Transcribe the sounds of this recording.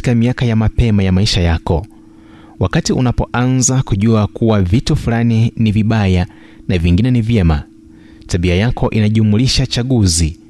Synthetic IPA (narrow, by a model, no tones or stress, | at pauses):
kamiakajamapɛmajamaiʃajakɔ | wakatiʔunapɔʔanzakuʄuakuwavitufulaniniviɓaja | naviŋɡinɛnivjɛma | taɓiajakʰɔʔinaʄumuliʃat͡ʃaɠuzi